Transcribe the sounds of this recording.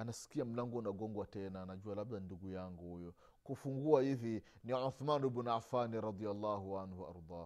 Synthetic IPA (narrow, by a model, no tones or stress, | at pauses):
anasi̥kiam̩laŋɡɔnaɡɔŋɡwatɛnanaʄualab̚danduɡujaŋɡuhujɔ | kufuŋɡuahivi | niʕuθmanubunafaniɾɑd̪ˤialːaːhuʕanhuʔa̰ɾd̪ˤɑː